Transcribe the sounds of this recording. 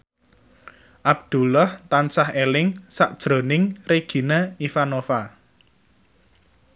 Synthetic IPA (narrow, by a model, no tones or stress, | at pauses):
ʔab̚d̪̥ṳlɔht̪ansahelɪŋsa̰ʔd̥ʒ̥ɾo̤nɪŋreɡ̥i̤naifanofa